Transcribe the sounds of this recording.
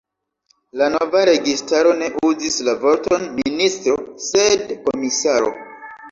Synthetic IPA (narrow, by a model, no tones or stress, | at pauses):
lano̞vaɾe̞ɡistaɾo̞ne̞ʔuzislavo̞ɾto̞nministɾo̞se̞dko̞misaɾo̞̰